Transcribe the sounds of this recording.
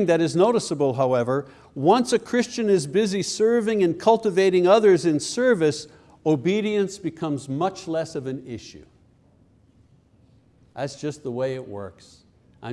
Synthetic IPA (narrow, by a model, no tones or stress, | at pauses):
ŋðɨɾɨznoʊɾəsəbl̩ˠɦaʊɛvə˞ | wʌ̃nsɨkʰɹ̥ɪst͡ʃɨ̃nɨzbɪzisɜ˞vɪ̃ŋɨ̃nkʰʌlˠtɨveɪɾɪ̃ŋʌðə˞zɨ̃nsɜ˞vɨs | oʊbiɾiɨ̃nsb̥ɨkʰʌ̃mzmʌt͡ʃlɛsʌvɨ̃nɪʃʉ̰ | ðætsd̥ʒ̥ʌst̪̚ðəweɪɨʔ̚wɜ̰˞ks | ʔɪ